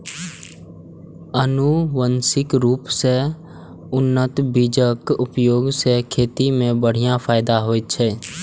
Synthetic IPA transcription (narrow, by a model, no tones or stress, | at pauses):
ənuwənsɪkɾuːpse | ʊnːət̪biːd͡ʒəkʊpjoːɡsekʰeːt̪imẽbəɽ̤ijãpʰaːɪd̪aɦoːt͡ʃʰɛː